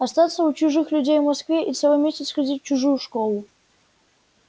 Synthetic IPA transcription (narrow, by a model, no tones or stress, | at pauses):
ɐst̪at̪səʊt͡ɕʊʐɨxlʲʊdʲejvmɐskvʲeʔisʲevɐmʲesʲtʲɪtsxɐzʲit̚ʲt͡ɕʊʐujʊʂkolˠʊ